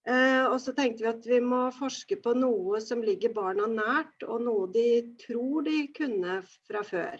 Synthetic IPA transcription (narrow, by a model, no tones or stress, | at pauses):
ɔsɔt̪ʰɛŋk̚t̪əʋɪɑt̪ʋɪmɔfɔʂkəpʰɔnuːəsɔmlɪɡːəɾbɑːɳɑnæːʈɔnuːəd̪ɪt̪ʰɾuːɖɪkʰʉnːəfɾɑfø̰ːɾ